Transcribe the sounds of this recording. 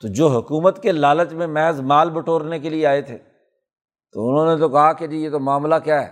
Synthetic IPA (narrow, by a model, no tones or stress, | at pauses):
t̪oːd͡ʒoːɦʊkuːmət̪kelaːlət̪mẽmɛɦəzmaːlbʊʈʰoːɾnekelieaːet̪ʰeː | t̪oʊnɦõːnet̪̬okɐɦaked͡ʒiːjeːt̪omaːmlakjaːɦɛ̰ː